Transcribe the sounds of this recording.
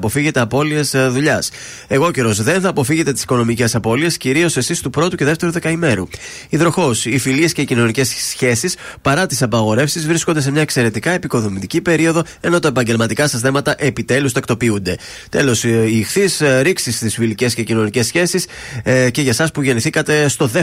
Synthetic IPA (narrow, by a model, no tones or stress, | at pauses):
po̞fiʝe̞t̪e̞ɐpo̞liesðuʎɐs | e̞ɣo̞ce̞ɾo̞zðe̞nθɐːpo̞fiʝe̞t̪e̞t̪i̥si̥ko̞no̞mice̞sɐpo̞lie̞sciɾio̞se̞sist̪upɾo̞t̪uce̞ðeft̪e̞ɾuðe̞kɐime̞ɾṵ | iðɾo̞xo̞sifilie̞sce̞icino̞nice̞ssçe̞sispɐɾɐt̪isɐpɐɣo̞ɾe̞fsizvɾisko̞nd̪e̞se̞mɲɐekse̞ɾe̞t̪ikɐe̞piko̞ðo̞mit̪icipe̞ɾio̞ðo̞ | e̞no̞t̪ɐe̞pɐɲɟe̞lmɐt̪ikɐsɐs̬θe̞mɐt̪ɐʔe̞pit̪e̞lust̪ɐkt̪o̞piund̪e̞ | t̪e̞lo̞sixθisɾiksist̪isfilice̞sce̞cino̞nice̞sçe̞sis | ce̞ʝɐsɐspuʝe̞niθikɐt̪e̞st̪o̞ðe